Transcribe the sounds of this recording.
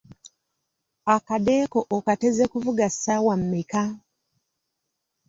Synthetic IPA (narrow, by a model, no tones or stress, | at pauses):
akadekoʔokatezekuvuɡasawam̩mika